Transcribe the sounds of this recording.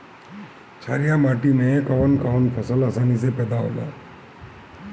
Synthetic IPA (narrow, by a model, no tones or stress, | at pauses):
t͡ʃʰa̰ːɾijamaːʈimẽkəʋənkaʋənpʰəsəlaːsaːnisepɛːd̪aɦo̰ːla̰ː